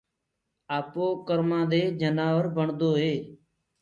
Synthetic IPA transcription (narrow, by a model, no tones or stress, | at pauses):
aːpoːkəɾmãːd̪eːd͡ʒənaːʋəɾbəɳd̪oːɦeː